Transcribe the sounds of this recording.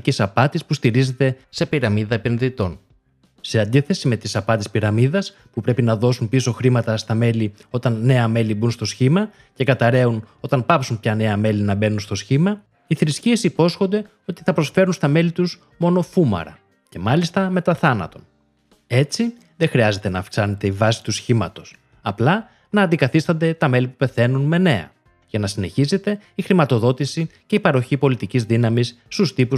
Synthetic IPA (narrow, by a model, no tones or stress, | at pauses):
cesɐpɐt̪ispust̪iɾize̞t̪e̞se̞piɾɐmiðɐepe̞nðit̪o̞n | se̞ɐnd̪iθe̞sime̞t̪isɐpɐt̪ispiɾɐmiðɐs | pupɾe̞pinɐðo̞sunpiso̞xɾimɐt̪ɐst̪ɐme̞li | o̞t̪ɐnːe̞ɐme̞libunst̪o̞sçimɐ | ce̞kɐt̪ɐɾe̞uno̞t̪ɐnpɐpsunpçɐne̞ɐme̞linɐbe̞nunst̪osçimɐ | iθɾiscie̞sipo̞sxo̞nd̪e̞ | o̞t̪i̥θɐpɾo̞sfe̞ɾunst̪ɐme̞lit̪uz | mo̞no̞fumɐ̰ɾɐ̰ | ce̞mɐlist̪ɐme̞t̪ɐθɐnɐ̰t̪o̞n | e̞t͡si | ðexɾiɐze̞t̪e̞nɐːfksɐne̞t̪e̞ivɐsi̥t̪usçimɐt̪o̞s | ɐplɐ | nɐːnd̪ikɐθist̪ɐnd̪e̞t̪ɐme̞lipupe̞θe̞nunme̞ne̞ɐ̰ | ʝɐnɐsine̞çize̞t̪e̞ixɾimɐt̪o̞ðo̞t̪isice̞ipɐɾo̞çipo̞lit̪icizðinɐmisːt̪ust̪ipu